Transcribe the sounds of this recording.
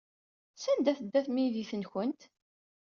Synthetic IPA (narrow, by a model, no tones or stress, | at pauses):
sænd̪æθəd̪ːæθmiðiθənçənt̪